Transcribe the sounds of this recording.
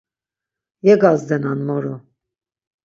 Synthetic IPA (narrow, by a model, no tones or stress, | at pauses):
jɛɡɑzd̪ɛnɑnmɔɾɔ